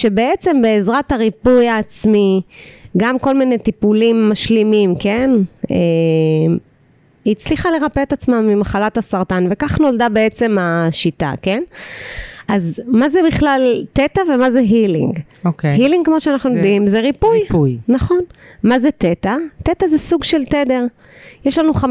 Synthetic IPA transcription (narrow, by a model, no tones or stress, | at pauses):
ʃe̞beet͡se̞mbe̞ːzʁataʁipujaːt͡smiɡamko̞lminet̪ipulimːaʃlimimke̞nem | it͡sliχale̞ʁapeet̪at͡smamːimaχalatasaʁt̪anve̞kaχno̞ldabe̞et͡se̞maʃit̪a̰ke̞n | ʔazmazebiχlaltet̪avemazeɦilḭŋɡokehiliŋɡkmoʃeanaχnujod̪imzeʁipujjnaχo̞nmazet̪et̪at̪et̪azesuɡʃelt̪ed̪eʁ | jeʃlanuχam